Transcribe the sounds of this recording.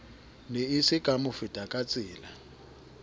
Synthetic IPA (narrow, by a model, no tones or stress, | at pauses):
neisɪɡ̥ʱʼamʊfɪd̥ʼʱakʼat͡sʼɪːla